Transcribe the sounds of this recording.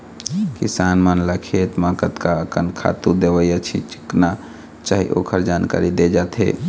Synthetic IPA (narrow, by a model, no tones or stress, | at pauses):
kisanmənləkʰet̪makət̪kaəkənkʰa̰t̪ud̪eʋəjət͡ʃʰḭt͡ʃi̥kna | t͡ʃaːɦḭʔo̰kʰəɾd͡ʒanka̰ɾid̪ed͡ʒat̪ʰɦḛ